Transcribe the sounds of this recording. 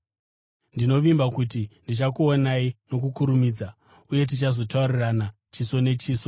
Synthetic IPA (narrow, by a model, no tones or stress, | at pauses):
ndino̞ʋimbakutindit͡ʃakuonaino̞k̬ukuɾumiːd͡za | uje̞t̬it͡ʃazo̞taurirana | t͡ʃiso̞ne̞t͡ʃiːso